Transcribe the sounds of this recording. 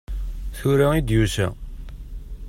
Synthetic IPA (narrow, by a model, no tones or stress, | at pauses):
θuɾaid̪jusæ̰